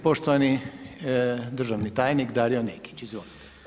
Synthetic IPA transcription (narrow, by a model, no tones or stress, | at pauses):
poʃt̪oʋani | d̪r̩ʒaʋnit̪aːjnikd̪aːɾioneki̥t͡ʃizʋoːlit̪